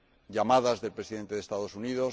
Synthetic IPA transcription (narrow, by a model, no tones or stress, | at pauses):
ʝamaðazðe̞lpɾe̞siðe̞nt̪e̞ðest̪aðo̞suniðos